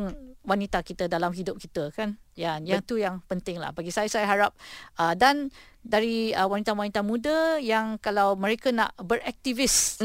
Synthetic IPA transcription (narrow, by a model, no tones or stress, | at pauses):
ŋwanit̪akit̪ədalamɦidʊp̚kit̪əkanjanjaŋt̪ujaŋpənt̪ɪŋla̰hbaɡisajasajaɦaɾap̚ʔədan | daɾiəwanit̪awanit̪amũdəjaŋkalawmə̃ɾekana̰ʔbəɾɛk̚t̪ivɪs